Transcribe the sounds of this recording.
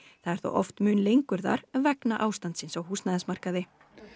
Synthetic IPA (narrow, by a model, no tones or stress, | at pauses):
θaðɛɾ̥θṵʔɔft̪mʏːnlejŋkʏɾða̰ɾvɛknaʔaːwst̪ant̪sɪnsawhuːst̪naðɛnsmar̥kaðɪ